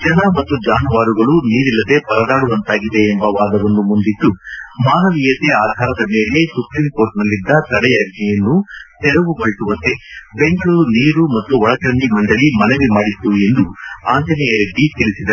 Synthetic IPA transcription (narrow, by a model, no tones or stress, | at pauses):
d͡ʒɐnɐmɐt̪ːud͡ʒaːnuʋaːɾuɡɐɭuniːɾilːɐd̪e̞pɐɾɐd̪aːɽuʋɐnt̪aːɡid̪e̞ːmbɐʋaːd̪ɐʋɐnːumund̪it̪ːumaːnɐʋijɐt̪eaːd̪ʱaːɾɐd̪ɐme̞ːle̞supɾimkoːɾʈnɐlːid̪ːɐt̪ɐɽɛjɐɡnɛjɐnːut̪ɛɾɐʋumɐɭit̪uʋɐnt̪e̞beŋɡɐɭuɾuniːɾumɐt̪ːuɔɭɐkɾɐɳɖimɐɳɖɐɭimɐneʋimaːɽit̪ːue̞nd̪uaːnt͡ʃɐnijɐɾeɖːit̪iɭisid̪ɐ